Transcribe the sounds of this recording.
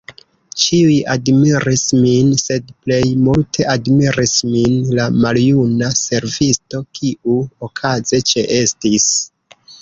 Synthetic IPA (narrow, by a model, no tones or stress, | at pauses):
t͡ʃiujadmiɾisminse̞dple̞jmultʰe̞ʔadmiɾisminlamaljunase̞ɾvisto̞kiuokʰaze̞t͡ʃe̞ʔe̞stis